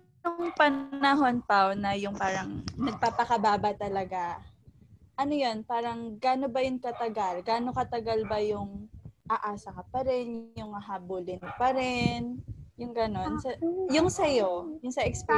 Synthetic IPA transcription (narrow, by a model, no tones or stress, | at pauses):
jʊŋpɐnɐɦo̞npawnɐjʊŋpaːɾɐŋnɐɡ̚papɐkɐbaːbɐt̪ɐlɐɡa | ʔɐnojo̞npaːɾɐŋɡaːno̞bɐjʊŋkɐt̪ɐɡalɡaːno̞kɐt̪ɐɡɐlbɐjʊŋʔɐʔaːsɐkɐpɐɾɛnjʊŋːɐɦaːbʊlɪnpɐɾɛnjʊŋɡɐno̞nsɐjʊŋsɐjo̞jʊŋsɐʔɛkspɛ